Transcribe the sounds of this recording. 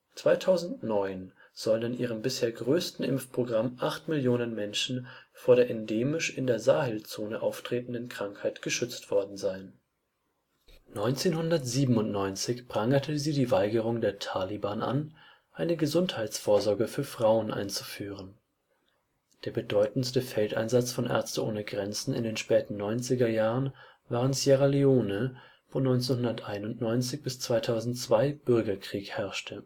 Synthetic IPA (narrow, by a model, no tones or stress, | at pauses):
t͡sv̥aɪtʰaʊzn̩tnɔʏn | z̥ɔlənɪnʔiːʁ̞əmbɪsheːɐɡʁøːstn̩ʔɪmfpʁ̥oɡʁamʔaχtmɪljoːnənmɛnʃn̩foːɐɾeːɐʔɛndeːmɪʃɪndeːɐzaːhɛlt͡soːnəʔaʊftʁ̥eːtn̩dənkʁ̥aŋkhaɪtɡ̥əʃʏt͡stv̥ɔɐdn̩zaɪn | nɔʏnt͡seːnhʊndɐtz̥iːbm̩ʊntnɔʏnt͡sɪçb̥ʁ̥aŋɐtʰəziːdiːvaɪɡəʁ̞ʊŋdeːɐtʰaːlibaːnʔa̰n | ʔaɪnəɡəzʊnthaɪt͡sfoːɐzɔɐɡəfyːɐfʁ̥aʊənʔa̰ɪnt͡su̥fyːʁ̞ən | d̥eːɐbədɔʏtn̩stəfɛltʔa̰ɪnzat͡sfɔnʔɛ̰ɐt͡stəʔo̰ːnəɡʁɛnt͡sn̩ɪ̰ndeːnʃpɛːtn̩nːɔʏnt͡sɪɡɐjaːʁən | vaːʁəntsjaʁalioːnə | fɔnɔʏnt͡senhʊndɐtʔaɪnʊntnɔʏnt͡sɪçb̥ɪst͡sv̥aɪtʰaʊzn̩tt͡sv̥aɪb̥ʏɐɡɐkʁ̥iːkhɛɐʃtʰə